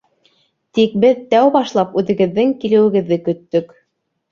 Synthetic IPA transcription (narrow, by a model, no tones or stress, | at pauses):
t̪ik̚bɘðt̪æwbɑʃlˠɑpʉðɘ̆ɡɘ̆ðːɘŋkilɘ̆wɘ̆ɡɘ̆ðːɘkɵ̆t̪ːɵk